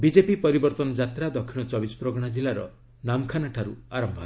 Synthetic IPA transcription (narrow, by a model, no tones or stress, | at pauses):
bid͡ʒepipɔɾibɔɾt̪ɔnɔd͡ʒat̪ɾad̪ɔkʰːiɽ̃ɔt͡ʃɔbisɔ̥pɾoɡɽ̃ad͡ʒilaɾɔ̰ | namkʰanaʈʰaɾuaɾɔmbʱɔ